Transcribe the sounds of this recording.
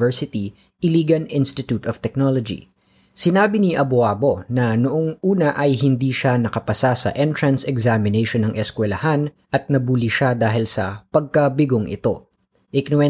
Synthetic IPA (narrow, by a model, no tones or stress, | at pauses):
ɛɹsɪt̪i | ʔɪliːɡɐnʔɪnst̪ɪt̪ut̪ɔft̪ɛk̚nolod͡ʒḭ | sɪnaːbiniʔɐboaːbo̞nɐnʊʔoŋuːnɐʔɐjɦɪnd̪iːʃanɐkɐpɐsasɐ̰ʔɛnt̪ɹɐnsɛɡzamɪnejʃonɐŋʔɛskwɛlɐhan | ʔɐt̪̚nɐbuliʃad̪aːɦɪlsɐpɐɡ̚kɐbɪɡoŋʔɪ̰t̪o̞ | ʔɪknʊɛ